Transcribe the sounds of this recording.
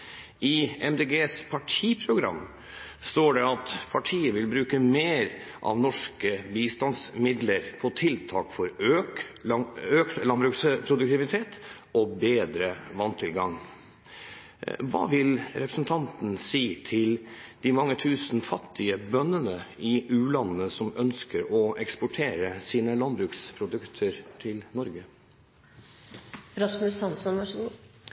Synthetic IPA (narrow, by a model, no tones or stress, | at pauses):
ʔɪɛmd̪eɡeːspʰɑʈʰiːpʰɾʊɡɾɑ̰mː | st̪oːɖɛɑt̪pʰɑʈʰiːəʋɪlbɾʉːkəmeːɾʔɑ̰ʋnɔʂkəbiːst̪ɑnsmɪd̪ləɾpʰɔt̪ʰɪlt̪ʰɑːkfɔɾø | øːk̪lɑnbɾʉːkspʰɾʊd̪ʉk̚t̪ɪʋɪt̪ʰeːt̪ | ɔbeːd̪ɾəʋɑnt̪ʰɪlɡɑŋ | ʋɑ̰ːʋɪlɾɛpɾəsn̩t̪ʰɑnt̪n̩siːt̪ʰɪld̪̥ɪmɑŋːət̪ʰʉːsn̩fɑt̪ʰːɪəbœnːənəɪʉːlɑnnəsɔmœnskəɾɔɛkspʊʈʰeːɾəsiːnəlɑnbɾʉːkspʰɾʊd̪ʉkt̪ʰəɾt̪ʰɪlnɔɾɡə | ɾɑsmʉsɑnsɔnʋɑʂɡ